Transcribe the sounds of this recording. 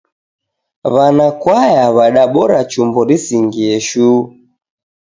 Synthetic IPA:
βanakwajaβaɗaɓɔɾat͡ʃumbɔɾisiŋɡiɛʃuː

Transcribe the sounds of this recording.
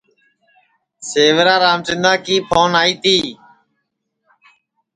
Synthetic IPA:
seːʋɾaːɾaːmt͡ʃɪ̃nd̪ãːkiːpʰoːnaːiːt̪iː

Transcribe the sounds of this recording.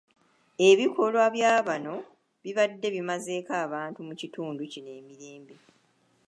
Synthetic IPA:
e̞βikʰo̞lwaβjaːβano̞ | βiβadːe̞βimaze̞ːkaːβaːntumucituːnducine̞ːmiɾe̞ːmbe

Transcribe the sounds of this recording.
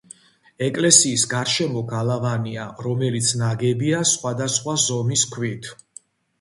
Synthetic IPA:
ɛkʼlɛsiːsɡaɾʃɛmɔɡalˠavaniaɾɔmɛlit̪sʰnaɡɛbiasχwad̪asχwazɔmiskʰwit̪ʰ

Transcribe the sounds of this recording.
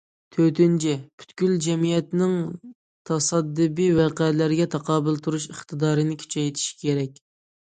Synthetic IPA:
t̪ʰøt̪ynt͡ʃʰɛpʰy̥t̪kʲyld͡ʒɛmijɛt̪nɪŋ | t̪ʰɑsɑd̪ːɨbijwæqɛlæɾɡʲɛt̪ʰɑqʰɑːbɨlˠt̪ʰuɾuʃəχt̪ɨd̪ɑːɾɨnɪkʲʰy̥t͡ʃʰɛjt̪ʰi̥ʃi̥kʲʰeɾɛkʲ

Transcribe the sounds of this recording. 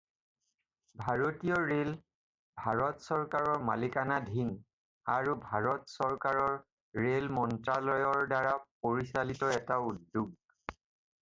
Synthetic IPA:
bʱaɹotijɔɹel | bʱaɹɔtsɔɹkaɹɔɹmalikanadʱin | aɹubʱaɹɔtsɔɹkaɹɔɹ | ɹelmɔntɹalɔjɔɹdaɹapoɹisalitɔɛtaudːuɡ̚

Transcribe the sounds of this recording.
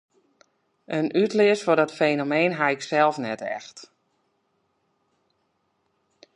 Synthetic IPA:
ʔənʔytlɪəsfɔdɔtfeːnomeːnɦaɪksɛlˠfnɛtɛ̰xt

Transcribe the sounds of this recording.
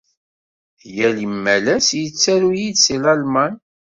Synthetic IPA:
jælimːælæsjət͡sːæɾujidsilɑlmɑn

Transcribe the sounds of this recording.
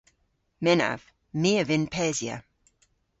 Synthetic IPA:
mɛna̰v̥ | miːəvɪnpʰɛːzjə̰

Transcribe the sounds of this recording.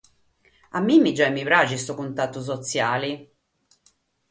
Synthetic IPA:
amːimːid͡ʒːaimivɾat͡ʃist̪ɔkunt̪at̪ːus̬ɔt̪sjaːli

